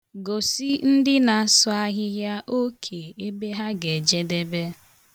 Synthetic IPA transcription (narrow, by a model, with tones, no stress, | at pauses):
ɡo˨si˦n̩˦dɪ˦na˨sʊ˦a˦ɦɪ˦ja˦ʔo˦kʰe˨e˦be˦ɦa˦ɡe˨d͡ʒe˦de˦be˦